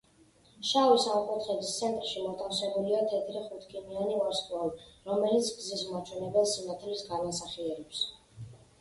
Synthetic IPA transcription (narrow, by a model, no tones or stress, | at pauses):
ʃavisamqʼut̪χɛdist̪sʰɛnt̪ʼɾʃimɔt̪ʼansɛbuliat̪ʰɛd̪ʰɾiχut̪ʰɡʼimianiaɾsk̪ʼwaliɾɔmɛlit̪sʰɡzismat͡ʃʰwɛnɛbɛlˠsinat̪ʰɛlisɡanasaχiɛɾɛps